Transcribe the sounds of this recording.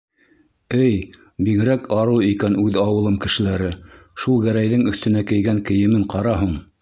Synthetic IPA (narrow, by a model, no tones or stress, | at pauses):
ɘj | biɣɘ̆ɾækʰɑɾɤwikænʉðɑwɤ̆lˠɤmkɘ̆ʃɘ̆læɾɘʃulˠɡæɾæjðɘŋɵ̆θt̪ɘ̆nækɘ̆jɡæŋkɘ̆jɘ̆mɘɴqɑɾɑɦuɴ